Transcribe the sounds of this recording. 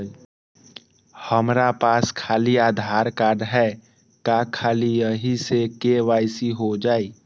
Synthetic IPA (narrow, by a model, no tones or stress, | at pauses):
həmɾapaːskʰaːliaːd̪ʱaːɾkaːɾɖɦɛ | kakʰaːlijəɦisekeʋaːɪsiɦod͡ʒaːi